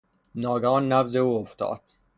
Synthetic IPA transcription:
nɒːɡɒːnːævzeuːoft̪ɒ̰ːd̪̥

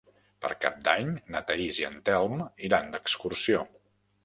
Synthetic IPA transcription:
pə̰ɾka̰p̚d̪aɲnət̪əiziə̰nt̪ɛlˠmiɾand̪əkskursio

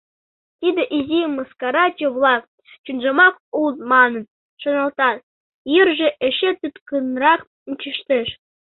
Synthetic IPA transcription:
t̪ʲid̪ʲĕʔizʲimɤ̆skɑɾɑt͡ɕʲĕʋlˠɑk̚ | t͡ɕunʒɤ̆mɑkuzmɑnɤ̆n | ʃŏnɤ̆lˠt̪ɑt̪ | jirʒĕʔɘ̆ɕet̪yt̪kɯnrɑχ | nt͡ɕiʃt̪ĕʃ

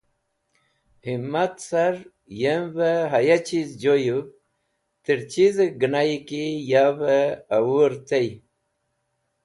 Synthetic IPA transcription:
himat̪saɾ | jemvəɦajat͡ɕizd͡ʑoju | t̪iɾt͡ɕizɡənajikijavəːwuɾt̪ej

